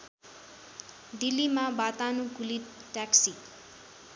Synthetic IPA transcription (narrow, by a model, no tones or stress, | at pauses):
d̪ilːimabat̪anukuliʈaksi